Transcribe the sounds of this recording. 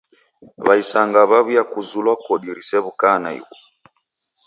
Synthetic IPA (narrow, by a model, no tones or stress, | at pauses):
βa̰isaŋɡaβaβujakuzulwakɔɗiɾisɛβukanaḭβɔ